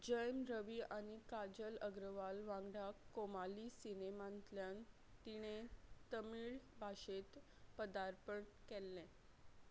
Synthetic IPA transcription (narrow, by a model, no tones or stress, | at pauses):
d͡ʑəjmɾəʋiːʔaɽ̃ikad͡ʑələɡɾəʋalʋãŋɡɽakːomalisinemãnt̪ljan | t̪iɽ̃et̪əmiːɭbʱaɕet̪ | pəd̪aɾpəɳkɛlːɛ̃